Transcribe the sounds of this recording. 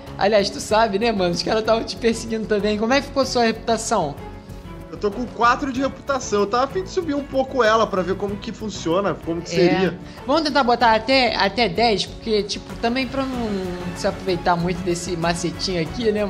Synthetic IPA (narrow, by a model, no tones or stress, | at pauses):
a̰liajʃt̪usabɪnɛmɐ̃nʃkalɐt̪avɐt͡ʃɪ̥pehsɪɡĩnd̪ʊt̪ɐ̃mbẽj̃k̬omʊɛkɪfi̥kosuɐhepu̥t̪asɐ̃w̃ | ewt̪okõkwat̪ɾʊd͡ʒɪhepu̥t̪asɐ̃w̃ewt̪avafĩd͡ʒɪ̥subiũpokʊɛlɐpɾɐveɾkõmʊkɪfũsiõnɐkõmʊkɪ̥seɾiɐ | vɐ̃mʊt̪ẽnt̪aɾbot̪aɾat̪ɛa̰t̪ɛd̪ɛjspoχket͡ʃipʊt̪ɐ̃mbẽj̃pɾɐnɐ̃sɪapɾovejt̪amũj̃t̪ʊd̪esɪmaset͡ʃĩɲʊakinɛ